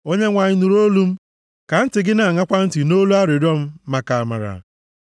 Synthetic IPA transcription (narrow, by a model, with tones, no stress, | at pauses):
o˦ɲe˦ŋʷa˨ɲɪ˦nu˨ɾo˦lu˦m̩˦ | ka˨n̩˦tɪ˨ɡɪ˦na˨ŋa˦kʷa˦n̩˦tɪ˨no˦lu˦a˦ɾɪ˨ɾɔ˦m̩˦ma˨ka˨a˨ma̰˨ɾa̰˨